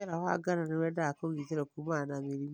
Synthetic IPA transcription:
eɾahoa̰ɡaɾanewɛdakoɣiteɾɛkumanamiɾim

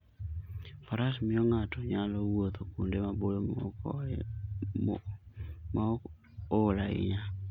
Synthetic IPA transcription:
faɾasimioŋatoɲalowot̪okundemabolomo̰k | ma | olaḭɲa

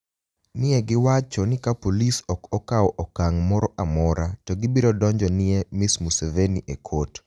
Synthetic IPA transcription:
nɪeɡɪwat͡ʃɔnɪkapolisɔkɔkaɔʔɔkaŋmɔɾɔʔamɔɾatɔɡɪbiɾɔdɔɲd͡ʒɔnɪemismuseveniʔekʰot

